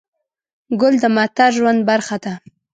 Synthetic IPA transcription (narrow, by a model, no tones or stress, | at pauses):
ɡʊld̪əmat̪aɾʒwand̪̚baɾxad̪a